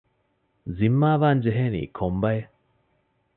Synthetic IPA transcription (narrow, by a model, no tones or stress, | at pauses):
zimːaːʋaːnd͡ʒeɦeːnḭːkʰombɐj